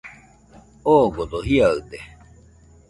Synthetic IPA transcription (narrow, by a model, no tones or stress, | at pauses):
oɡod̪oɦiaɯt̪e